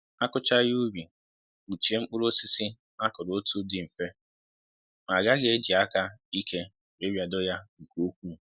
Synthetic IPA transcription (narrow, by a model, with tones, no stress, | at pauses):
a˦kʊ˦t͡ʃa˦ju˦bi˨ | u˨t͡ʃi˨e˦ŋ͡m̩˦k͡pʊ˦ɾo˦si˦si˦ | a˦kʊ˨ɾo˦tu˦dɪ˨m̩˨fe˦ | ma˨ɡa˦ɡe˨e˦d͡ʒi˨a˦ka˦i˦ke˦ | e˦bja˨dʊ˦ja˦ŋ̩˨ko˦kʷu˦